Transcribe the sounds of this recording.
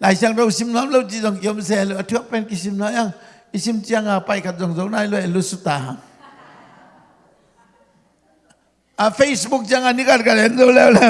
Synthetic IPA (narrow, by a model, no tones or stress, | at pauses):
lajsaŋɾawsimnɔmlɔwt͡ʃizɔŋiɔms̬elɯatʰɯapɛnkis̬imnɔjaŋ | isimt͡ʃiaŋapajkʰat̚zɔŋzɔwnajlɔjalusuta | apʰejsbuk̚t͡ʃiaŋanikat̚kaɾɛnzɔwlɛwlɛ